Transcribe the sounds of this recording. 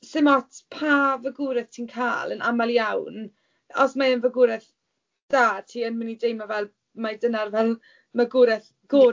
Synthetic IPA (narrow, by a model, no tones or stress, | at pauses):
sɪmɔtʰpʰavəɡʊɾɛθtʰiːnkʰa̰ːlˠənamalˠjawn | ɔsmaənvəɡʊɾɛθ | d̥aːtʰiːənmənidejmavɛlˠ | madənarvɛlˠ | maɡʊɾɛθ | ɡ̥oː